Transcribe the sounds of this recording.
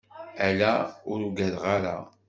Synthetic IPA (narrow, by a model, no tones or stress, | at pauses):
ælæʊɾuɡæðʁaɾa̰